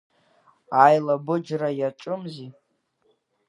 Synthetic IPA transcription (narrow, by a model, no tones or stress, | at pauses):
ajlabɨd͡ʒrajaʈ͡ʂʼʊmzi